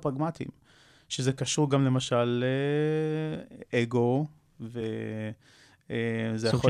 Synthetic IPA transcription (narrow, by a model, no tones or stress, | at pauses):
pʁaɡmatḭm | ʃezekaʃuʁɡamlemaʃale | ʔeɡo | ve | ezejaχo